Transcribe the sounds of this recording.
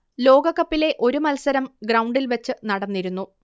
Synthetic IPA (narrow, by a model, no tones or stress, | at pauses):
lo̞ːɡɐkːɐpːile̞ʔo̞ɾumɐlsɐɾɐmɡrɐwɳɖilʋɐt͡ɕːɨnɐɽɐnːiɾunːu